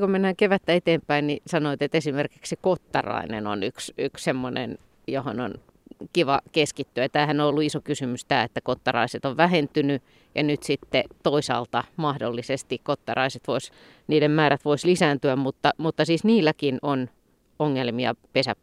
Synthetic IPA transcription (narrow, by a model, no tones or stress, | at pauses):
komenːæːŋkeʋæt̪ːæet̪eːmpæinnisɑnoit̪et̪esimerkiksekot̪ːɑ̰rɑ̰inḛno̰nyksykssemːonḛn | joho̰no̰n | kiʋɑkeskit̪ːyæt̪æːhænoolːuisokysymyst̪æːet̪ːækot̪ːɑrɑ̰iset̪oʋʋæhent̪yny | jɑnyt̪sit̪ːet̪oisɑ̰ːlt̪ɑmɑhdolːisest̪ikkot̪ːɑ̰rɑiset̪ʋois | niːdemmæːɾæt̪ʋoislisæːnt̪yæmmut̪ːɑmut̪ːɑsiːsniːlːækinon | oŋːelmiɑ̰pesæp